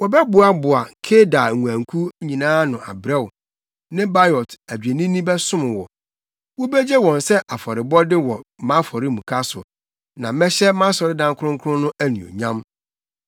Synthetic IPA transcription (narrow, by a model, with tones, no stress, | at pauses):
wɔ˨bɛ˦bʊ˨a˦bʊ˨a˨kʰe˦da˨u˨æ̃˨ŋkʰu˦ɲĩ˨nãː˦nʊ̃˨a̰˨bɾɛ˦˨wʊ˨ | nɪ̃˦ba˦jɔ˨tʰæ˨d͡ʑᶣe˨nĩ˦nĩ˦bɛ˦sʊ̃˦mɪ̃˨wɔ˨ | wɔ˦bɛ˦d͡ʑɛ˦wɔ̃˨nsɛ˦ʔa˨fɔ˨ɾɪ˨bɔ˦dɪ˦wɔ˨mã˦fɔ˨ɾɪ˦mũ˨kʰa˦sʊ̰˨ | nã˨mɛ̃˦ɕɛ˦mã˦sɔ˨ɾɪ˦dã˦ŋkʰʊ˦ʊ̃˦ŋ˦kʰʊ˦ʊ̃˦nʊ̃˦ʔæ˦nĩ˨o̰˨ɲã˦m